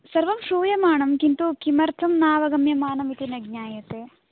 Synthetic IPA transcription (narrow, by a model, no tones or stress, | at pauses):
sɐrʋɐmʂuːjɐmaːɳɐmkint̪ukimɐrt̪ʰɐmnaːʋɐɡɐmjɐmaːɳɐmit̪inɐɡ̚ɲaːjɐt̪e